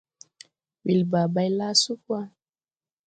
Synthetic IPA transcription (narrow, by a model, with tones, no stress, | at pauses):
wi˨lba˨ba˦jla˦su˦kwa˦